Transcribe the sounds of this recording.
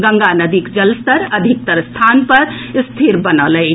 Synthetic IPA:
ɡə̃ŋɡanəd̪ikd͡ʒəlst̪əɾəd̪ʱik̚t̪əɾst̪ʰanpəɾ | st̪ʰiɾbənəlɛɪ

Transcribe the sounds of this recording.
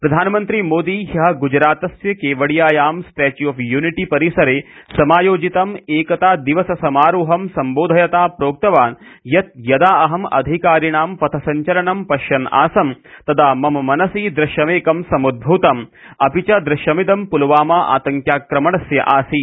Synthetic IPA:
pɾɐd̪ʱaːnɐmɐnt̪ɾimoːd̪iːɦɐɦɐɡud͡ʒɾaːt̪ɐsjɐkeːʋɐɽijaːjaːmsʈeːt͡ʃjuɐfjuːniʈipɐɾisɐɾeːsɐmaːjoːd͡ʒit̪ɐmeːkɐt̪aːd̪iʋɐsɐsɐmaːɾuːɦɐmsɐmboːd̪ʱɐjɐt̪aːpɾoːk̚t̪ɐʋaːnjɐt̪̚jɐd̪aːɐɦɐmɐ̰d̪ʱikaːɾiɳaːmpɐt̪ʰɐsɐɲt͡ʃɐlɐɳɐmpɐʃjɐna̰ːsɐmt̪ɐd̪ʰaːmɐmɐmɐnɐsiːd̪ɾɐʃjɐmeːkɐmsɐmud̪̚bʱuːt̪ɐm | ɐpit͡ʃɐd̪ɾɐʃjɐmid̪ɐmpulɐʋaːmaːʔa̰ːt̪ɐŋkjaːkɾɐmɐɳɐsjɐ̰ʔaːsi

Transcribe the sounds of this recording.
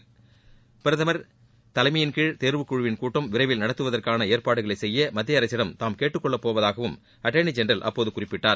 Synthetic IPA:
pɪɾɐðɐmɐɾ | t̪ɐlɐɪmɐjɪnkɪɻt̪eːɾʋɯkːʊɻɯʋɪnkuːʈːɐmʋɪɾɐɪʋɪlnɐɽɐt̪ːɯʋɐðɐrkaːnɐeːɾpaːɽɯɣɐɭɐɪsɛjːɐmɐd̪ːɪjɐɾɐɪsːɪɽɐmt̪aːmkeːʈːɯkːɔɭːɐpːoːʋɐðaːɣɐʋɯm | ɐʈːenɖd͡ʒɛndɾɐlʔɐ̰pːoːðɯkʊrɪpːɪʈːaːɾ

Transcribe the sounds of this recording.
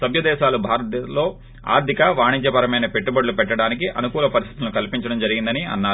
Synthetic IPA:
sɐbʱjɐd̪ɛːʃaːlubʱaːɾɐt̪lo̞ː | a̰ːɾd̪ʱikɐʋaːɳiɲt͡ʃɐpɐɾɐmɐjnɐpe̞ʈːubɐɖlupɛʈːɐɽaːnikiʔɐ̰nukuːlɐpɐɾist̪ʰi̥t̪ulnukɐlpiɲt͡ʃɐɽɐmd͡ʒɐɾiɡind̪ɐniɐ̰nːaːɾ

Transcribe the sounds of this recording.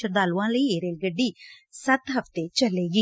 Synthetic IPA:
ɐɾd̪aːluʋãːlɐieːɾeːlɡɐɖːisɐt̪ɦɐft̪et͡ʃɐlːeːɡi

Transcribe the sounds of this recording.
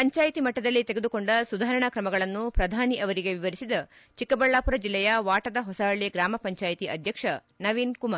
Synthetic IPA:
pɐɲt͡ʃaːjt̪imɐʈːɐd̪ɐlːit̪eɡed̪uko̞ɳɖɐsud̪ʱaːɾɐɳɐkɾɐmɐɡɐɭɐnːupɾɐd̪ʱaːniʔɐʋɐɾiɡe̞ʋiʋɐɾisid̪ɐ | t͡ʃikːɐbɐɭːaːpuɾɐd͡ʒilːɛjɐʋaːʈɐd̪ɐɦɔsaːɭeɡɾaːmɐpɐɲt͡ʃaːjt̪iʔɐd̪ʱjɐkʂɐ | nɐʋiːnkumaːɾ

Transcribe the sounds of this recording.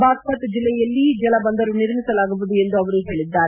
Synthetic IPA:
baːspɐt̪d͡ʒilːɛjɐlːid͡ʒɐlɐbɐnd̪ɐɾuniɾmisɐlaːɡubud̪ue̞nd̪uɐʋɐɾuɦeːɭid̪ːaːɾe

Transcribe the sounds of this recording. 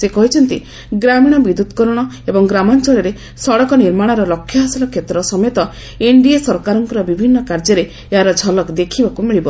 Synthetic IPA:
sekɔɦit͡ʃʰɔnt̪i | ɡɾamiɽ̃ɔbid̪ud̪kɔɾɔɽ̃ɔ | ebɔŋɡɾamɔnt͡ʃɔɭɔɾe | sɔɽɔkɔniɾmaɽ̃ɔɾɔlɔkʰːjɔɦasilɔkʰjet̪ɾɔsɔmet̪ɔ | eɳɖiesɔɾkaɾɔŋkɔɾɔbibʱinːɔkaɾd͡ʒɔɾe | eɦaɾɔd͡ʒʱɔlɔkd̪ekʰibakumiɭibɔ

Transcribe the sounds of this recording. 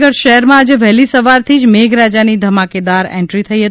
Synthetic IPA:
ɡəɽʃəɦɛɾmãːd͡ʒeʋɛɦlisəʋaɾt̪ʰid͡ʒmeɡɾad͡ʒanid̪ʱəmaked̪aɾɛ̰̃ɳʈɾit̪ʰəiɦət̪

